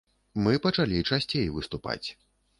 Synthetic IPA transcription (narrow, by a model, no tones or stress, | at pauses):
mɨpɐt͡ʂalʲit͡ʂasʲt͡sʲejvɨst̪upa̰t͡sʲ